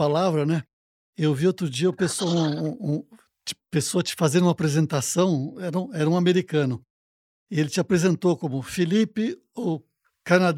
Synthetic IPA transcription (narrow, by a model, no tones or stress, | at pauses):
alavɾɐnɛ | ewviot̪ɾʊd͡ʒiɐupesoũũ | t͡ʃɪ̥pesoɐt͡ʃɪ̥fazẽɾũmɐapɾezẽnt̪asɐ̃w̃ɛɾɐũɛɾɐũameɾikɐ̃nʊ | ielɪt͡ʃɪapɾezẽnt̪owkõmʊfilipɪ | o | kanad̪